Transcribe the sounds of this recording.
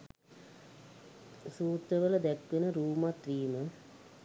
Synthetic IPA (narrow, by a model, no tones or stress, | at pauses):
suːt̪ɾəʋələd̪ækʋenəɾuːmat̪ɾiːmə